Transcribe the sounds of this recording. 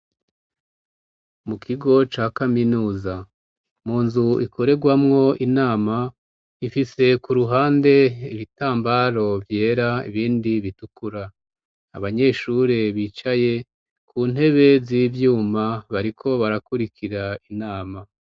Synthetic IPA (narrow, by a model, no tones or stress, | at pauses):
mukʰiɡo̞t͡ʃaːkaminuːza | muːnzuikʰo̞ɾe̞ɡwamŋo̞inaːma | ifise̞kuɾuɦaːnde̞iβitaːmbaːɾo̞vje̞ːɾaḭβiːndiβitukuɾa | aβaɲe̞ːʃuɾeβiːt͡ʃaje̞ | kʰuːn̥he̞βe̞ziːvjuːmaβaɾikʰo̞βaɾakuɾikʰiɾainaːma